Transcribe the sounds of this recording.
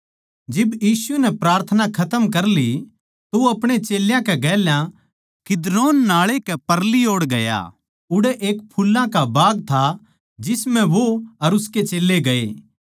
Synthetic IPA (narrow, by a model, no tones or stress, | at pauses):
d͡ʒɪbjiːsuɛnɛpɾaːɾt̪ʰənakʰɐt̪əmkɐɾli | t̪oɐpɽ̃et͡ʃeːljãkɛɡɛːljã | kɪd̪ɾoːnːaːɭekɛpɐɾlioːɽɡɐja̰ː | ʊɽɛʔeːk̚pʰʊlːãkabaːɡt̪ʰa | d͡ʒɪsmɛ̃ʋoɐɾʊsket͡ʃeːlːeɡɐḛː